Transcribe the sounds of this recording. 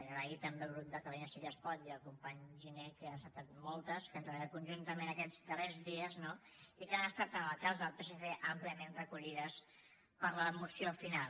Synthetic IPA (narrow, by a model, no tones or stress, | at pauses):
əʒəɾait̪əmbelˠɣɾub̚d̪ət̪əluɲəsiʎəspɔt̪iəlˠkumpaɲʒinekəsat̪ːat̪mɔlˠt̪əskənzɾəβaakunʲʒunt̪əmẽnəkɛd͡zd̪ərɛzðiəzno | ikanəst̪at̪ələkazəðəlˠpeseseʔəmpliəmenrəkuʎiðəs | pəɾləmusiofinal